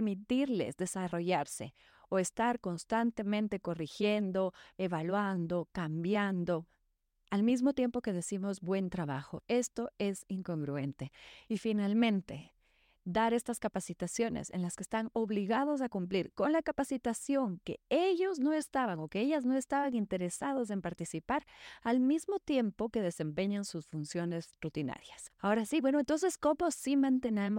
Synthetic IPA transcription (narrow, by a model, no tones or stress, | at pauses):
ɾmit̪iɾle̞̰zðe̞saro̞ʝaɾse̞̰ | oe̞st̪aɾko̞nst̪ant̪e̞mẽnt̪e̞ko̞rixje̞nd̪o̞e̞βalwand̪o̞kambjand̪o̞ | almizmo̞t̪je̞mpo̞ke̞ð̞e̞simo̞zbwe̞nt̪ɾaβaxoe̞st̪o̞e̞siŋko̞ŋɡɾue̞nt̪e̞ifinalmẽ̞nt̪e̞ | d̪aɾest̪askapasit̪asjo̞nḛse̞̰nlaskeːst̪ano̞βliɣað̞os̬akumpliɾko̞nlakapasit̪asjo̞ŋke̞̰eʝo̞zno̞e̞st̪aβaŋo̞kee̞ʝazno̞e̞st̪aβaŋint̪e̞ɾe̞saðos̬e̞mpaɾt̪isipaɾalmizmo̞t̪je̞mpo̞ke̞ð̞e̞se̞mpe̞ɲansusfunsjo̞ne̞zrut̪ina̰ɾjasao̞ɾasibwe̞noent̪o̞ns̬e̞sko̞mo̞simãnt̪e̞nam